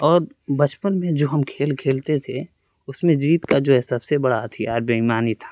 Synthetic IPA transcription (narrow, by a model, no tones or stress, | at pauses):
ɔːɾ | bɐt͡ʃpənmẽd͡ʒoːɦɐmkʰeːlkʰeːlt̪et̪ʰe | ʊsmẽd͡ʒiːt̪kad͡ʒoːɦɛsɐbsebɐɽat̪ʰiaːɾbɐɦimaːnit̪ʰḁː